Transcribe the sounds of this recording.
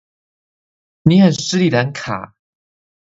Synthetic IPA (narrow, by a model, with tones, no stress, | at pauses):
ni˨˦hə˨˩ns̩˥li˨˩la˧˥˦nkʰa̰˨˩˦